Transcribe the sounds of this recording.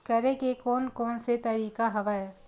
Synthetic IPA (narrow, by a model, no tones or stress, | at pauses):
kɐɾẽkekɔːnkɔːnset̪ɐɾiːkaɦɐʋaːj